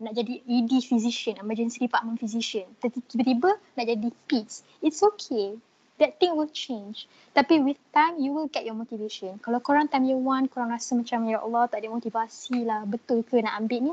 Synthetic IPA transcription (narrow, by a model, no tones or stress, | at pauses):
naʔd͡ʒadiidifiziʃə̃nɛməd͡ʒə̃nsiipaʔmə̃nfiziʃə̃nt̪əitibət̪ibənaʔd͡ʒadipits | itsokʰe | dɛt̚t̪ĩŋwilt͡ʃẽnd͡ʒ | t̪apiwiθt̪ãjmjuwilɡɛt̚jɔmot̪iveʃə̃nkalawkoɾãŋt̪ãjmjuwãnkoɾãŋɾasəmãt͡ʃamjaʔa̰lɔt̪ɔʔ̚dɛmot̪ivasilahbət̪ʊlkənaʔambɪʔnĩ